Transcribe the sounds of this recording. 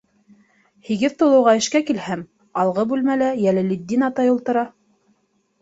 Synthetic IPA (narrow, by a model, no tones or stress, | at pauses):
hiɡɘðt̪ŏlˠɤ̆wʁɑɘ̆ʃkækilhæm | ɑlˠʁɤbʉlmælæjælɘlid̪ʲːinɑt̪ɑjulˠt̪ɤ̆ɾɑ